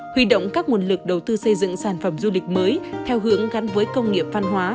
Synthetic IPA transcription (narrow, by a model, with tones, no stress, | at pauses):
hwi˧ɗo̰˧˨wŋ͡mkaː˦˥k̚mu˨˩ənlɨ˨˩k̚ɗə˨˩wt̪ɨ˧sə˧jzɨ̰˧˨ŋsaː˧˩nfə˧˩mzu˧lï˨˩k̟̚məː˨˦jt̪ʰɛ˧wɦɨ˨˦əŋɣa˨˦nvəː˨˦jkə˧wŋ͡mŋi˨əp̚va˧nɦwaː˨˦